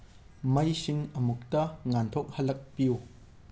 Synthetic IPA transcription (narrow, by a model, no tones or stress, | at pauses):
mɐjsiŋəmuk̚t̪ɐŋant̪ʰɔk̚hɐlɐk̚piw